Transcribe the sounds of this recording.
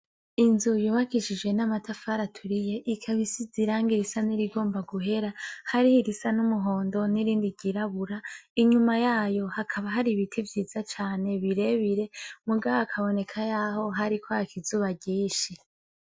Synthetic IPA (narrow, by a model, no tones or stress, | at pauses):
inzujuːβakiʃid͡ʒɡwe̞namatafaɾatʰuɾije̞ʔikʰaβisiziɾaːŋɡiɾisaniɾiɡo̞ːmbaɡuɦe̞ɾahaɾihiɾisanumuɦo̞ːndo̞niɾiːndiɟiɾaβuɾaiɲumajaːjo̞hakʰaβaɦaɾiβitʰivjiːz̥at͡ʃaːne̞βiɾe̞βiɾe̞muɡaβokʰaβo̞ne̞kʰajaho̞ɦaɾikʰoakʰizuːβaɟiːʃi